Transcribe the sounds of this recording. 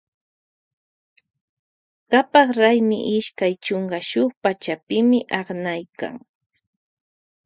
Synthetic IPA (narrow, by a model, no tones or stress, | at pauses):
ɢapɑχɾajmɪ̰ʔɪʃkajt͡ʃoɴɢɑʃʊχpat͡ʃapɪmɪʔɑχnajka̰ŋ